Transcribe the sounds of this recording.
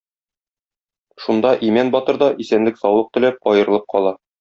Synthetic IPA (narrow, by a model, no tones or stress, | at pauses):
ʃund̪ɑʔimænbɒt̪ɤ̆ɾd̪ɑʔisænlɘksɒwlˠɤq̚t̪ɘ̆læp̚ɒjɤ̆ɾɤ̆lˠɤp̚qɒlˠɑ